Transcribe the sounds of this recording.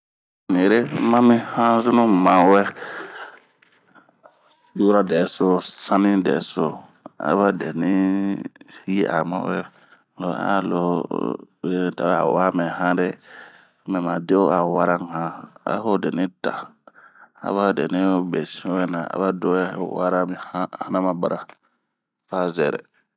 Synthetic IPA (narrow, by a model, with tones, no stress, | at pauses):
ni˨ɾe˦mã˦mĩ˦hã˦zu˦nũ˦mã˨wɛ˦ | ju˦ɾa˦dɛ˨˦so˦sã˦nĩ˦dɛ̰˨˦so˦a̰˨βa˦dɛ˨ni˦ | e˦ʔa̰˨mã̰˦wɛ˦ | lo˨a̰˦˨lo˨ | ta˨a˦a˨wa˦mɛ̃˨hã˦ɾɛ˦ | mɛ˨ma˨de˦a˨wa˦ɾa˦ŋ˨hã˨a̰˦fo˦dɛ˨nĩ˦ta̰˨ | a̰˨˦βa˦˨dɛ˨nĩ˦bɛ˨si˦wɛ˦na˨a̰˨ba˦do˦ɛ˦˨wa˦ɾa˦mi˨a˦ha˦na˦mã˨ba˨ɾa˨ | fa˦zɛ˨ɾɛ̰˨